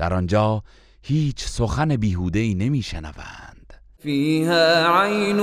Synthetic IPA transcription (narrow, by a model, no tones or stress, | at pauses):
d̪̥æɾɒnd͡ʒɒː | hiːt͡ʃʰsoxæne̞biːɦuːd̪eiːne̞miːʃenæ̰væ̰nd̪̥ | fiːhaːʕajn